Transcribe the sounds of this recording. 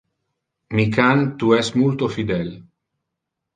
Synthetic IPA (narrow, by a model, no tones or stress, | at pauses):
mikant̪uɛsmult̪ofid̪ɛl